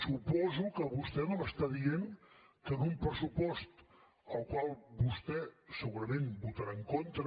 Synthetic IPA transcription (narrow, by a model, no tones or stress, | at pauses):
supɔzukəβust̪ɛnoəst̪aðieŋ | kənumpɾəsupɔst̪ | əlˠkwalˠbust̪ɛsəɣuɾəmẽnbut̪əɾaəŋkont̪ɾə